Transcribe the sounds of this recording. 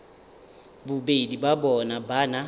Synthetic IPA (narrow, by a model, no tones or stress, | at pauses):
bʊbedibabɔnabana